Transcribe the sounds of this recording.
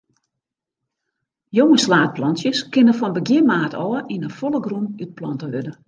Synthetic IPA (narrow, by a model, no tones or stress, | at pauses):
joŋəslaːt̚plɔnsjəskɪnəfɔnbəɡjɪmaːtʰɔːəʔinəfolˠəɡrumyt̚plɔntəʋødə